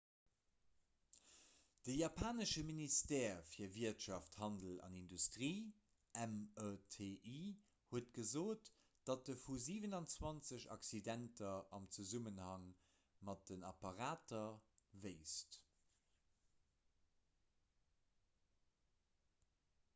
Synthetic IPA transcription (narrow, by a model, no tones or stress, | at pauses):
d̥əjapʰaːnəʃəministɛːfiːɐviɐtʃɑfthɑndəlɑ̰nindustʁiː | æmətʰeʔi | huətɡ̥əzoːt | d̥ɑt̚dəfuziːvənɑnt͡swɑnt͡səɕɑ̰ksidæntɐɑmt͡suzumənhɑŋ | mɑt̚d̥ənɑpɑʁaːtɐvɜɪst